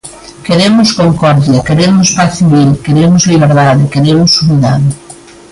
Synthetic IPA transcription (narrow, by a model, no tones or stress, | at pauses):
keɾemʊskoŋkɔɾðjakeɾemospaθiβilkeɾemozliβ̞eɾðaðekeɾemosuβiðað